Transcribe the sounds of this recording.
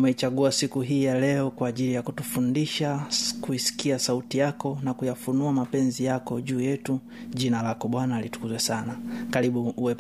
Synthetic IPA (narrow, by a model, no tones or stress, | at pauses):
umɛit͡ʃaɠuasikuɦiːjalɛɔkwaːʄilijakutufundiʃakuisi̥kiasautijakɔnakujafunuamapɛnzijakɔʄuːjɛtu | ʄinalakɔɓwanalitu̥kuzwɛsanakaɾiɓuwɛ